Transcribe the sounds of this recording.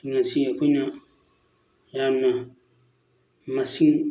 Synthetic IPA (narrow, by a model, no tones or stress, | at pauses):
iŋasiakuna | jana | masiŋ